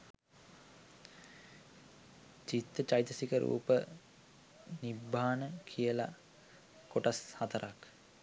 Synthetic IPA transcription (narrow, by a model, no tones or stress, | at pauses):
t͡ʃit̪ːət͡ʃajt̪əsikəɾṵːpə | nibʱːaːnəkʰijəla̰ | koʈashat̪əɾʔak